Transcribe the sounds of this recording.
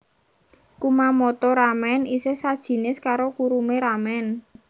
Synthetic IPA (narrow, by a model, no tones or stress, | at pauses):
kumamɔt̪ɔɾamɛnisesad̥ʒ̥i̤nɪskaɾokuɾumeɾamɛn